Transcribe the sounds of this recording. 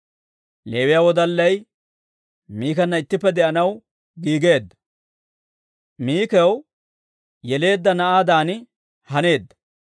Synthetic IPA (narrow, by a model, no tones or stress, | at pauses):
le̞ːwɪjaːwɔd̪ɐlːɐj | miːkɐnːɐɪt̪ːɪpːɛd̪ɛʔɐnɐw | ɡiːɡe̞ːd̪ːɐ̥ | miːkɛw | jɛle̞ːd̪ːɐnɐʔaːd̪aːnɪ | hɐne̞ːd̪ːɐ̥